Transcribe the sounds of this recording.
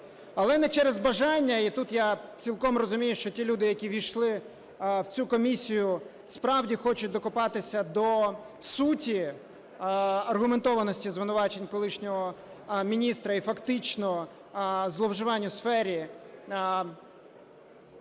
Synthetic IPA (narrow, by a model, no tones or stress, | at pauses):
ɐlˠɛnɛt͡ʃɛɾezbɐʒɑnʲːɐit̪ut̪jat͡sʲilˠkɔmrɔzʊmʲijʊʃt͡ʃɔtʲilʲud̪ɪjɐkʲiʋʲijʃlˠɪ | wt͡sʲukɔmʲisʲijʊ | spɾɑwdʲixɔt͡ʃʊt̚ʲd̪ɔkʊpɑt̪ɪsʲɐd̪ɔ | sutʲi | ɐrɦʊment̪ɔʋɐnɔsʲtʲizʋɪnʊʋɑt͡ʃenʲkɔlˠɪʃnʲɔɦɔ | mʲinʲist̪ɾɐifɐkt̪ɪt͡ʃnɔ | zlˠɔwʒɪʋɑnʲːʊsfɛɾʲi